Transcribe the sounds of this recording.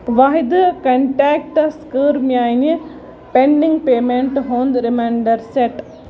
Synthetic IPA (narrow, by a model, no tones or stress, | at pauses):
ʋaːɦid̪uɐkɐɳʈaːk̚ʈɐskəːɾmjaːjnɐ | peɳɖiŋɡpeːmeɳʈɦoːnd̪ɾimeːɳɖɐɾseʈ